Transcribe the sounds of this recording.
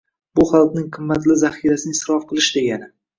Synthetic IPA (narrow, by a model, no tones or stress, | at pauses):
bʊχalˠqnɪŋqʰɨmːat̪lɪzaχijɾasɪnɪsɾɒfqʰɨlˠɪʃd̪e̞ɡʲanɪ